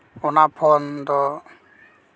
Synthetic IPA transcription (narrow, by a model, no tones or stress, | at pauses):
unapʰɔnd̪ɔ